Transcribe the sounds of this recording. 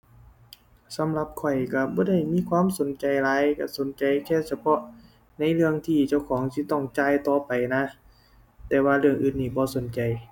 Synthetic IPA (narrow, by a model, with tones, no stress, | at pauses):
sa˨˦mla˧p̚kʰɔ˨˩jka˧˩bɔː˧˦da˧˩jmiː˧˥˨kʰwaː˧˥˨mso˨˦nt͡ɕa˨jlaː˧jka˧˩so˨˦nt͡ɕa˨jkʰɛː˧˩˨sa˧pʰɔ˧ʔ | na˧˥jlɯ˧˨əŋt̪ʰiː˧˩t͡ɕa˧˩wkʰɔː˩˦ŋsi˧˦t̪ɔ˧˩ŋt͡ɕaː˧˨jt̪ɔː˧pa˨jna˧˥ | t̪ɛː˧waː˧lɯ˧˩əŋʔɯː˧nːiː˧˩bɔː˧˦so˨˦nt͡ɕa˨j